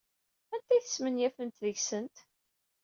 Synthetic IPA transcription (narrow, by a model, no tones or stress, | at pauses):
ænt̪æjθə̥smənjæfənt̪ðəʝsənt̪